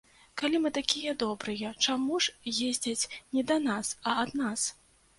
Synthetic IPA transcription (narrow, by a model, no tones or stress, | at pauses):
kalʲimɨt̪akʲijɐd̪ɔbɾɨjɐt͡ʂamuʂjezʲd͡zʲɐt͡sʲnʲɛd̪ɐnasɐːd̪nas